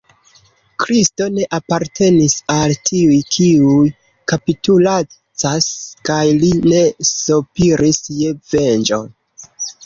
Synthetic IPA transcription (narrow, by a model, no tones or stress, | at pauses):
kɾisto̞ne̞ʔapaɾtʰe̞nisaltʰiujkʰiuj | kapitula | t͡saskajline̞sopiɾʔisjeve̞nd͡ʒon